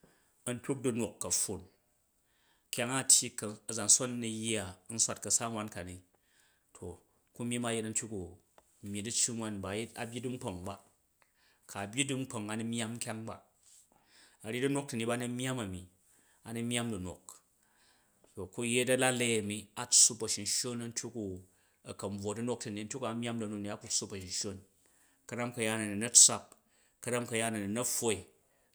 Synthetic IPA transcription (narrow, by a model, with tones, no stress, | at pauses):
ɐ˨˦n̩˦tʲu˦k̚du˦no˨kːɐ˨ɸu˨n | kʲa˦ŋa˦˨tʲji˦kɐ˨ɐ˨za˨n˨so˦nː˦i˨ja˨˦n̩˦sʷa˦˨t̚kɐ˨sa˦ŋwʷa˦nka˨ni˨ | tʰo˨ | ku˦mʲ˦i˦ma˦je˦tɐ˦n̩˦tʲu˦ku˨ | mʲji˨dɨ˦t͡ʃːi˦ŋwa˦nba˨je˦ta̰˨bʲji˦du˦ŋ͡m̩˦k͡po˨ŋba˦ | kʰa˨bʲji˦dɨ˦ŋ͡m̩˦k͡po˨ŋa˨ni˦mʲ˦a˦m˦kʲa˦ŋba̰˨ | a˨ɾʲi˦dɐ˦no˦k̚tɐ˨ni˨ba˦nɐ˦mʲ˦a˦mɐ˨mi˨ | a˨nɐ˦mja˦mdɐ˨no̰˨k | to˨ku˦je˦tɐ˦la˦le˦ɐ˨mi˦a˨t͡sːu˦pɐ˨ʃi˨n˨ʃo˦nɐ˦n̩˦tʲju˦ku˨ | ɐ˨kɐ˨m˦b͡vo˨dɐ˦no˦k̚tɐ˨ni˨˦n̩˦tʲu˦ka˨mʲ˦a˦mdɐ˨no˨k̚ni˨˦a˦ku˦su˦pɐ˨ʃi˨nʃo˦n | kɐ˦ɾa˦mkɐ˨ja˦nɐ˨ni˨nɐ˦t͡sa˦p̚ | kɐ˦ɾa˦mkɐ˨ja˦nɐ˨ni˨nɐ˦ɸo˦i˨